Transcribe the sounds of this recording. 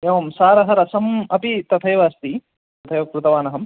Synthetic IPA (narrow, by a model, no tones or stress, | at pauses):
eːʋɐmsaːɾɐɦɐɾɐsɐmɐpit̪ɐt̪ʰɐjɐʋaːst̪i | t̪ɐt̪ʰɐjɐʋɐkɾut̪ɐʋaːnɐɦɐm